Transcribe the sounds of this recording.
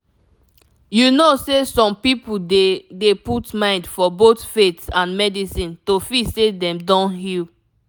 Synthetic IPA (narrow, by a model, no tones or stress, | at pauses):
junosesɔ̃mpipudeputmãɪ̃ndfɔbotfetsãnmɛdisĩntofisedɛ̃mdɔ̃nhil